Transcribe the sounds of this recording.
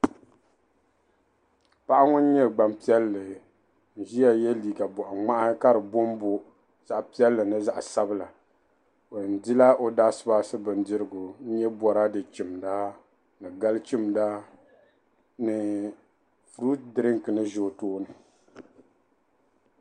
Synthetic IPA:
pa˦ʔa˦ŋʊ˦n˦ɲɛ˦ɡ͡ba˨mpi˦ɛ˦lːɨ˨ | n̩˨ʒi˦ja˦jɛ˦liː˨ɡa˨bɔ˨ʔɔ˨ŋ͡ma˦ʔa˦ka˦ɾɨ˨bo˦m˦bo˦ | za˦ʔpi˦ɛ˦lːɨ˨nɨ˦za˦ʔsa˦bɨ˦la˨ | o˨n̩˨dɪ˦la˦ʔo˦daː˦sɨ˦ba˦sɨ˦bɨ˨n˦dɨ˦ɾɨ˦˨ɡʊ˨n̩˦ɲɛ˦bɔ˨ɾa˦dɨ˨t͡ʃi˨mda˦ | nɨ˨ɡa˦lt͡ʃi˦m˨da˦ | nɨ˨ | fɾu˦t̚dɨ˨ɾɪ˦ŋkɨ˨nɨ˦ʒo˨˦˨toː˦nɨ˨

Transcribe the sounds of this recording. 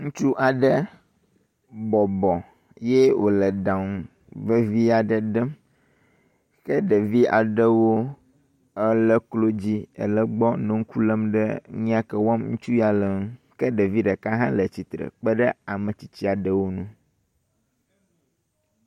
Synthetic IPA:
ŋũ˦t͡ʃu˦ʔa˨ɖə˦ | bɔ˨bɔ˨ | jɛ˦wʔo̰˨lə˨ɖã˨ŋu˨ | və˦vi˦a˨ɖə˨ɖə˦m | kə˦ɖə˨vi˦a̰˨ɖə˦wo˦ | ə˦lə˦klo˦d͡ʑi˦ə̰˨lə˦ɡ͡bɔ˦nɛ̃˨ŋ̩˦ku˦lə˦mɖə˦ɲĩ˦a˦kə˦wɔ˦mŋṵ̃˦t͡ʃu˦ja˨lə˨ŋ̩̃˦kə˦ɖə˨vi˦ɖə˨ka˦ɦã˦lə˨t͡ɕi˨t̪ɾə̰˨k͡pə˦ɖə˦a˨mə̃˨t͡ɕi˨˦t͡ɕi˦a˨ɖə˦wo˦nũ˦

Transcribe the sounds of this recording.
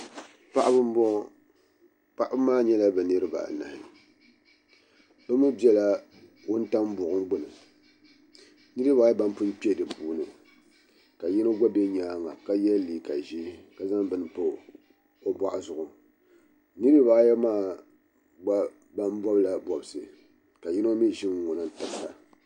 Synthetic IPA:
pa˦ʔa˦bɨ˦b | pa˦ʔa˦bɨ˦maː˦ɲɛ˦la˦bɛ˨nɨ˦ɾɨ˦ba̰˨na̰˨hɪ˨ | bɨ˦mɨ˦bi˦ɛ˦la˦ | wo˦n˦ta˦mbʊ˨ʔʊ˦ŋɡ͡bʊ˦nɨ˨ | nɨ˦ɾɨ˦baː˨˦jɛ˦ba˦m˦pɨ˦n˦pi˦ɛ˦dɨ˨puː˨nɨ˨ | ka˨ji˦no˦ɡa˦bɛ˦ɲaː˦ŋa˨ka˦jɛ˦liː˨ka˨ʒi˦ka˦za˦ŋbɨ˨n˨pɨ˦ | o˦bwa˦ʔa˦zʊ˨ʔʊ˨ | nɨ˦ɾɨ˦ba˦jɛ˦maː˦˨ | ɡ͡ba˦ | ba˦mbɔ˦bla˦bɔ˨bɨ˨sɨ˨ | ka˨ɲi˦no˦mi˦ʒɪ˦m˦ŋʊ˨nɨ˦n˦tɨ˦ksa̰˨

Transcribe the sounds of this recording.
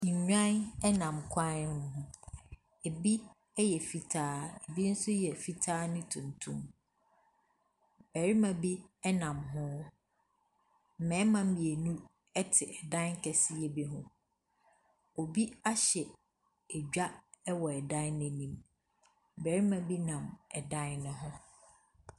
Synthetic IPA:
ɲ̩˨ɲᶣã˦nɛ˦nã˨mkʷʰã˦n˦nʊ̃˦ɦʊ̃˦ | e˨bi˦ | ɛ˦jɛ˨fi˨tʰaː˦ɛ˨bi˦n̩˦sʊ˦jɛ˨fi˨tʰaː˦nʊ̃˦tʰũ˨ntʰũ˦m | bæ˨ɾi˦mã˨bi˦ɛ˦nã˨mɦʊ̃˦ | m̩˨mɛ̃ː˨˦mã˦m̩˦mi˨e˨nũ˦ | ɛ˦tʰɪ˨ʔɛ˨dã˦ŋ̩˦kʰɛ˨sɪ˦jɛ˦bi˦ɦʊ̃˦ | o˨bi˦a˦ɕɛ˨ | ɛ˨d͡ʑᶣa˦ɛ˦wɔ˨ɛ˨dã˦nɪ̃˦nĩ˨m | bæ˨ɾi˦mã˨bi˦nã˨mɛ˨dã˦nʊ̃˦ɦʊ̃˦

